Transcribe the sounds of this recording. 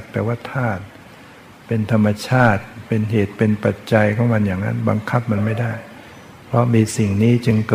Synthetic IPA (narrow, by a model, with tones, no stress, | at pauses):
t̚p̪ːɛː˨˩waː˥˩t̪ʰaː˥˩t̪̚ | pe˧nt̪ʰa˧mːa˧t͡ɕʰaː˥˩t̪̚pe˧nɦeː˨˩t̪̚pe˧npa˨˩t̪̚t͡ɕa˧jkʰɔː˥˩ŋma˧njaː˨˩ŋːa̰˦˥nba̰˧ŋkʰa˦˥p̚ma˧nma˥˩jdaː˥˩j | pʰɾɔ˦˥miː˧si˨˩ŋniː˦˥t͡ɕɯ˧ŋkɤ˨